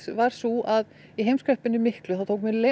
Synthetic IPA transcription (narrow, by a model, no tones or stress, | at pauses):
vaɾ̥suʔað | iɦejmskɾœhpɪnːɪmɪhklʏθawt̪ʰowkmɛle